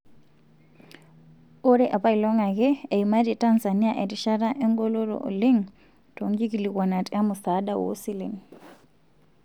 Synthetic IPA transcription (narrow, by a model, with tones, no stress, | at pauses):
o˦ɾɛ˦ʔa˨pa˦i˨lɔ˦ŋaɣɛ˦e˨ima˦ɾita˦nzani˦a˦ʔɛ˨ti˨ʃa˦ɾaʔɛ˦ŋɡɔ˦lɔɾɔ̰ʔo̰˨le˦ŋ | toŋɡi˦ki˨likwa˨na˨tʼa˦mu˨saː˦ɗa˨wo̰˦si˦lḛ˨n